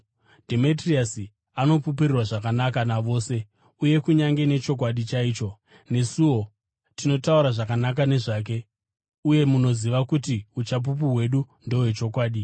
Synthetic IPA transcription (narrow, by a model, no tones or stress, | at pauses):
dʱemitriasi | ano̞pupirirwaʐakanakanaʋo̞ːse̞ | uje̞kuɲaŋɡe̞ne̞t͡ʃo̞k̬waɗit͡ʃaiːt͡ʃo̞ | ne̞suwo̞ | tino̞tauɾaʐakanak̬ane̞ʐaːk̬e̞ | uje̞muno̞ziʋakutiut͡ʃap̬up̬uɦwe̞ɗu | ndo̞we̞t͡ʃo̞kwaːɗi